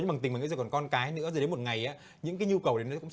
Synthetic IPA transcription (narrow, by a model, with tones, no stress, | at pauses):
ɓ̪i˨˩ŋ˨˩ŋ̰ḭ˧˦zːkɔ˨˩kɔ˧nkaː˨˦jnɨ̰˧˥əzɨ˨˩ɗe˨˦mo˨˩t̚ŋa˨˩jʔaː˨˦ | ɲɨ̰˧˥ŋkaː˨˦jɲu˧kə˨˩wɗe˨˦nə˨˦kʊ̰˧˥ŋ͡m